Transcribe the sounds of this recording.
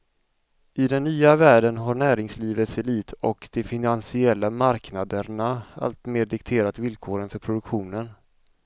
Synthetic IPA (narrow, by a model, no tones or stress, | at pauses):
ɪd̪ɛnːyːavæːɖənɦaɳæːɾɪŋsliːvət̪sɛliːt̪ʰɔkd̪̥ɛfɪnansɪɛlːamaɾknad̪əɳaa̰lt̪meːɖɪkt̪ʰeːɾat̪vɪlkʰoːɾənfœɾpʰɾʊd̪ɵkɧuːnən